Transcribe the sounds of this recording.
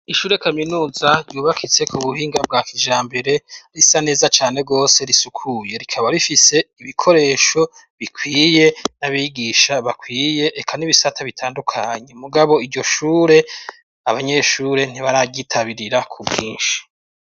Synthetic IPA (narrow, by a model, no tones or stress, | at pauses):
iʃuːɾe̞kaminuːzaɾɟuːβakʰit͡se̞kuβuhiːŋɡab̚ɡaːkʰid͡ʒaːmbe̞ɾe̞ɾisane̞ːzat͡ʃaːne̞b̚ɡo̞ːse̞ɾisukʰuje̞ɾikʰaβaɾifise̞iβikʰo̞ɾe̞ːʃo̞ | βikʰwiːje̞naβiɡiʃaβakwiːje̞ʔekʰaniβisatʰaβitʰaːndukʰaɲe̞muɡaβo̞iɟo̞ʃuːɾe̞ | aβaɲe̞ʃuːɾe̞n̥iβaɾaːɟitʰaβiɾiɾakʰubɡiːnʃi̥